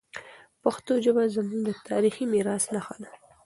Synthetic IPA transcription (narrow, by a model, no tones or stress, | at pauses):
paxt̪od͡ʒəbazamuŋd̪ət̪ʰɑ̰ɾiximiɾɑsnaxala